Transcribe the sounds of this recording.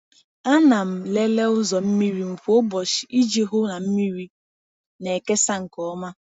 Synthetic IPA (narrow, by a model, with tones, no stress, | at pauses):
a˦na˨m̩˨le˦le˦ʊ˦zɔ˨m̩˦mi˦ɾi˦m̩˨fʷo˦bɔ˨ʃi˨i˦d͡ʒe˦ɦʊ˦na˨m̩˦mi˦ɾi˦ | ne˨ke˦sa˦ŋ̩˨kɔ˦ma˦